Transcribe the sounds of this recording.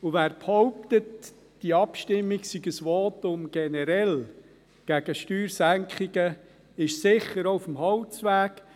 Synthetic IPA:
uvæːɾphɔʊp̚t̪ət | d̥iɑpʃtɪmːiɡsiɡəsʋɔːtʊmɡ̥ɛnəɾɛl | ɡ̥æɡ̥əʃtyːɾsæŋkʰχiɡə | ɪʃsɪχəɾoʊfəmhɑwt͡sʋæːɡ̥

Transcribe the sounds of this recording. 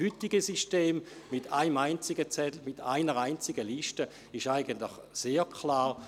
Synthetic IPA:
ytiɡəsiʃteːmmɪtʰa̰ɪmaɪnt͡sɪɡət͡sɛdl̩mɪtʰa̰ɪnəʁaɪnt͡sɪɡəliʃtə | ɪʃaɪɡəntlɪχseːkʰlaːʁ

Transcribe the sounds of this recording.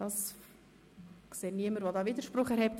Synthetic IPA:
d̥ɑs | kseːniəməɾʋodɑːʋidəɾʃpɾʊχɛɾɦɛp̚t

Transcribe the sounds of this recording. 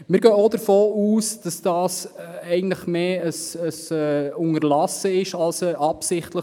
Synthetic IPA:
mɪɾɡ̥œːod̥əɾfoːuːsd̥ɑsd̥ɑːsɛɪɡən̩tləχmeːəsəsɛʊŋəɾlɑsəɪʃɑlsəʔɑpsɪχtləχ

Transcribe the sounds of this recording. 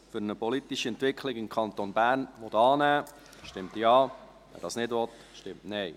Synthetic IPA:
fʏɾnəpɔlit̪iʃiɛntʋɪkʰlɪɡɪmkʰɑnt̪onbæɾnʋɔtɑːnæː | ʃtɪmt̪jɑː | ʋɛ̰ɾdɑːsnɪdʋɔt̪ | ʃtɪmtnɛɪ

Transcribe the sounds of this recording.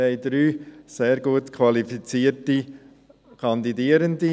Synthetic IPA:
ɛɪd̪̥ɾyːseːɾɡuətkʰʋɑlifit͡siːəti | kʰɑnd̪idiːəɾənd̪i

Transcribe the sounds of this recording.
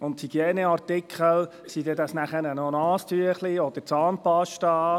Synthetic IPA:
ʊnthiɡ̥iɛːnəɑrtɪkχəl | sid̪ɛdɑsnæχəɾənɔnɑːstyəχliɔd̪̥əɾt͡sɑːnpɑʃtɑː

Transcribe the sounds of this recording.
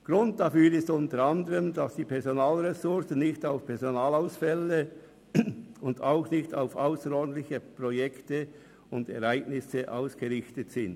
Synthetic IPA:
ɡ̥ʁʊnt̚dafyːɾɪstʊntəɾɑndəʁəmd̥ɑsd̥iːpʰɛɐzonaːlʁɛsʊʁsn̩nɪçtaʊfpʰɛɐzonaːlaʊsfɛlːə | ʊnda̰ʊxnɪçta̰ʊfaʊsəɾɔːdn̩t̪lɪçəpʁojɛktə | ʊndɛ̰ʁæɪɡ̥nɪsəʔa̰ʊsɡ̥əʁɪçtətsɪnd

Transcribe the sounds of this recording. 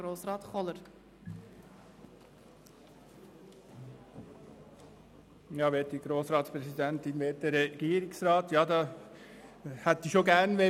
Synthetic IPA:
ɾoːsrɑːtχɔləɾ | jɑːʋeːt̚d̥iɡ̥ɾoːsɾɑːtspɾɛsidɛntɪnʋeːt̚d̥ɛɛɡ̥iːɾɪksɾɑːtjɑːdɑː | hɛtdiʃoɡɛnʋe

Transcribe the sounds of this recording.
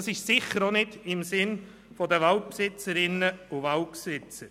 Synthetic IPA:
sɪʃsɪχəɾonɪdɪmsɪn | fɔdəʋɑlt̚psɪt͡səɾɪnːəʊvɑltpsɪt͡səɾ

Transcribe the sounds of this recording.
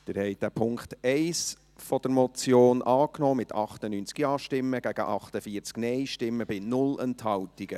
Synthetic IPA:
d̥ɪɾhɛɪd̥æpʰʊŋkχtɛɪs | fɔd̥əɾmɔt͡sjoːnʔɑːknɔːmɪtʰɑχtənynt͡sɡ̥iɑːʃtɪmːəɡ̥æɡ̥ə̰ʔɑχtəfiːəɾt͡sknɛɪʃtɪmːəbɪnʊlɛnthɑltiɡ̥ə

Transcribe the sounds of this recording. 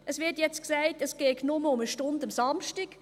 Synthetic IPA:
ʔəsʋɪtjɛt͡stksæɪtəsɡ̥eːknʊməʊməʃtʊndəmsɑmʃtɪɡ̥

